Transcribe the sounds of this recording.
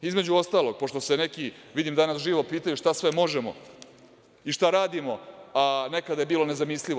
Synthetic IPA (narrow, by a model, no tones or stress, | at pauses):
izme̞d͡ʑuo̞st̪aːlˠo̞ɡ̥̚poʂt̪o̞senekiʋid̪imd̪anasʒiːʋo̞piːt̪aɲuʃt̪asʋemo̞ʒemo̞̰ | iʃt̪aɾaːd̪imoane̞kad̪ajebiːlo̞ne̞zamisliʋo̞